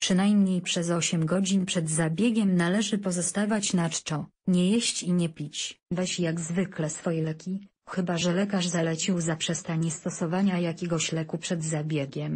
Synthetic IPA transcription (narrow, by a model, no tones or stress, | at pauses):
pʂɘnajmɲejpʂɛzɔɕɛmɡɔd͡ʑinpʂɛd̪zabʲjɛɡʲɛmnalɛʐɘpɔzɔst̪avat͡ɕnat͡ʂt͡ʂɔ | ɲɛjeɕt͡ɕiɲɛpʲit͡ɕvɛɕjaɡzvɘklɛsfɔjɛlɛkʲi | xɘbaʐɛlɛkaʐzalɛt͡ɕiwzapʂɛst̪aɲɛst̪ɔsɔvaɲajakʲɛɡɔɕlɛkupʂɛd̪zabʲjɛɡʲɛm